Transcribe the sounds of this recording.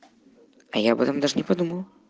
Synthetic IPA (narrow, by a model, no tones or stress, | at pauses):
a̰jabɛt̪ɐmd̪aʐnʲɛpad̪umɐw